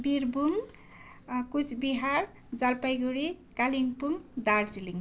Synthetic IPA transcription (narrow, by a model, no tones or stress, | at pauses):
biɾbuŋ | kut͡sʰbiɦaɾ | d͡zalpajɡuɽikaliŋpuŋd̪aɾd͡ziliŋ